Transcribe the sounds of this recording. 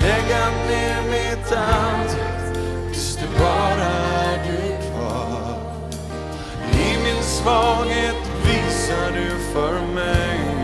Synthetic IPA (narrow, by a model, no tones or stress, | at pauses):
lɛɡaneːɾmɪt̪ʰannd̪ | vɪst̪əbɑːɾadɵkʰvɑː | ɪmɪnsvɑɡet̪ | viːsaɖɵfœɾmɛj